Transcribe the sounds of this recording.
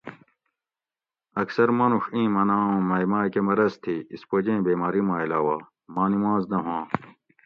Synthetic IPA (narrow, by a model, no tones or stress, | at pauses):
ɐksɐɾmɐnuʂĩːmɐnaːõːmɐjmaːkemɐɾɐst̪ʰiispod͡ʑẽːbeːmaːɾimãːilaːwaː | mãːnimãːznɐɦãː